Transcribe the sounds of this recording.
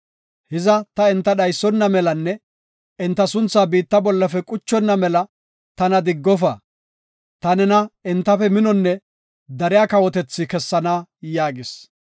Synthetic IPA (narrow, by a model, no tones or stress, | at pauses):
hɪzɐt̪ɐɪnt̪ːɐɗɐjsːɔnːɐmɛlɐnːɛ | ɪnt̪ːɐsʊnt͡sːaːbiːt̪ːɐbɔlːɐfɛkʼʊt͡ʃːɔnːɐmɛlɐ | t̪ɐnɐd̪ɪɡːɔfɐ | t̪ɐnɛnɐɪnt̪ːɐfɛmɪnɔnːɛ | d̪ɐɾɪjaːkɐwɔt̪ɛt͡sːɪkɛsːɐnaːjaːɡɪs